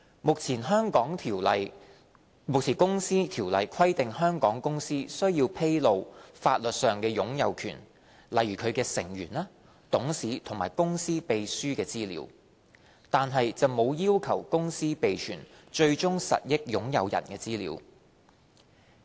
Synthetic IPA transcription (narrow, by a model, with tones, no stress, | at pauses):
mʊ˨k̚t͡sʰiː˨˩nɦœː˥ŋkɔː˨˥ŋʰi˨j | mʊ˨k̚t͡sʰiː˨˩kʊ˥ŋsiː˥t̪ʰiː˨˩wlɐ˨jkʰɐ˥jt̪ɪ˨ŋhœː˥ŋkɔː˨˥ŋkʊ˥ŋsiː˥sɵ˥ɥjiː˧wpʰe˥jlo˨˧wfaː˧t̚lɵ˨t̚sœː˨ŋkɛː˧jʊ˨˥ŋjɐ˨˧wkʰyː˨˩n | lɐ˨jɥyː˨˩kʰɵ˨˧ɥkɛː˧sɪ̰˨˩ŋjyː˨˩naː˥ | t̪ʊ˨˥ŋsiː˨˥t̪ʰʊ˨˩ŋmaː˨˩jkʊ˥ŋsiː˥pe˨˧jsyː˥kɛː˧t͡siː˥lḭː˨˧˥w | t̪aː˨nɦɐ˨jt͡sɐ˨wmo˨˧wjiː˥wkʰɐ˨˩wkʊ˥ŋsiː˥pe˨jt͡ʃʰyː˨˩nt͡ʃɵ˧ɥt͡ʃʊ˥ŋsɐ̰˨t̚jɪ˥k̚jʊ˨˥ŋjɐ˨˧wjɐ̰˨˩nkɛː˧t͡siː˥lḭː˨˧˥w